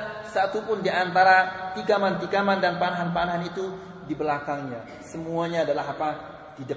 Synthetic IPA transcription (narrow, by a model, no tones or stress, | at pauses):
sat̪upʊndiant̪aɾat̪iɡamant̪iɡamandanpanaɦanpanaɦanit̪u | dibəlakaŋɲa | səmuaɲaːdalaɦapa | t̪ida